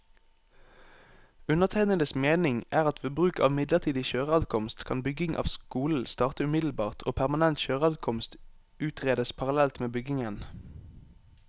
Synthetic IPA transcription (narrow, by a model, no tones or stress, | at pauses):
ʉnəʁt̪ʰæɪnənəsmeːnɪŋʔæːʁɑt̪fɔbʁʉːkɑːʋmɪd̪ləʁt̪ʰiːd̪ɪʃøːʁəɑd̪kʰɔmst̪kʰɑ̰nbʏɡɪŋʔɑ̰ːʋskuːl̩st̪ɑːʁt̪əʉmɪd̪l̩bɑːʁt̪ʰo̰ːpʰæʁmɑnɛnt̪ʃøːʁəɑd̪kʰɔmst̪ | ʉːt̪ʁeːd̪əspʰɑʁɑlɛlt̪meːbʏɡɪŋən